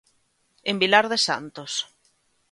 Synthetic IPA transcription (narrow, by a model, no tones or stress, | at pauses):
embilaɾðesa̰nt̪os